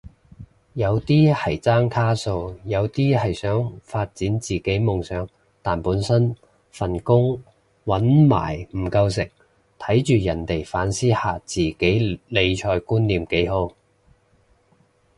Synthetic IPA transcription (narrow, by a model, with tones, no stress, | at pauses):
jɐ˨˧wt̪iː˥hɐ˨˩jt͡saː˥ŋkʰaː˥so˧wjɐ˨˧wt̪iː˥ɦɐ˨jsœː˨˥ŋfaː˧t̚t͡siː˨˥nt͡siː˨˩ke˨˥jmʊ˨ŋsœː˨˥ŋ | t̪aː˨npuː˨˥nsɐ˥n | fɐ˨˩nkʊ˥ŋ | wɐ˨˥nma̰ː˨˩jm̩˨˩kɐ˧ws̬ɪ˨k̚ | t̪ʰɐ˨˥jt͡ʃyː˨jɐ˨˩nt̪e˨˩jfaː˨˥nsiː˥haː˨t͡siː˨ke˨˥jle˨˧jt͡ʃʰɔː˧jkuː˥nliː˨mke˨˥jho˨˧˥w